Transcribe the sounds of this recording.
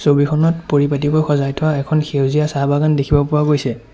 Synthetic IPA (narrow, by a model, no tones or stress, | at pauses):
sobikʰɔnɔtpoɹipatikojxɔzajtʰʊwaɛkʰɔnxewziasabaɡandekʰibɔpʊɹaɡojsɛ